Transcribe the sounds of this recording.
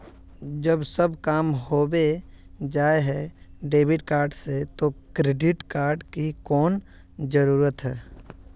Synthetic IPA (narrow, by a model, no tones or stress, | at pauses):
d͡ʒəbsəbkaːmhoːbe | d͡ʒaːeɦɛɖeːʋɪʈkaːɾɖset̪okɾeːɖɪʈkaːɾɖkikɔːn | d͡ʒəɾuːɾət̪ɦɛː